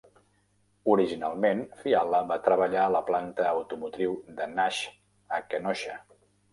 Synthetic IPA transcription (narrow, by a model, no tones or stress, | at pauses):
uɾiʒinalˠmenfialˠəβat̪ɾəβəʎaələplant̪əːwt̪umut̪ɾiwd̪ənaʃ | əkənɔʃə